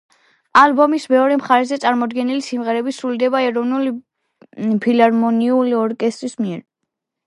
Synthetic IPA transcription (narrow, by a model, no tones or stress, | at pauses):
albɔmismɛɔɾɛmχaɾɛzɛt̪sʼaɾmɔd̪ɡɛnilisimʁɛɾɛbisɾuld̪ɛbaɛɾɔvnuli | pʰilaɾmɔniuliɔɾkʼɛst̪ʼɾismiɛɾ